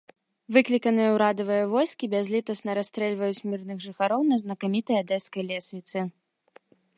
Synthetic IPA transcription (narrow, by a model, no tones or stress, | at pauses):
vɨklʲikɐnɨjɐwɾad̪ɐvɨjɐvɔjskʲibʲazʲlʲit̪ɐsnɐɾast̪ɾɛlʲvɐjut͡sʲmʲirnɨɣʐɨxaɾɔwnɐznɐkamʲit̪ɐjad̪ɛskɐjlʲɛsʲvʲit̪sɨ